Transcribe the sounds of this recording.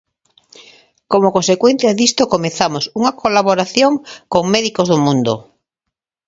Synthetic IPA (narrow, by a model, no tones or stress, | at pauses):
komokonsekwen̟θjaðist̪okomeθamosuŋakolaβoɾaθjoŋkoŋmeðikozðomũnd̪o̰